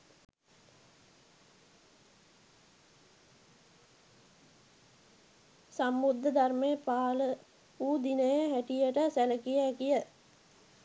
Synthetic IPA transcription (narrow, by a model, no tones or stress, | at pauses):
sambud̪ːəd̪armeəpaːlə | uːd̪inəjəɦæʈijəʈəsæləkijəːkijə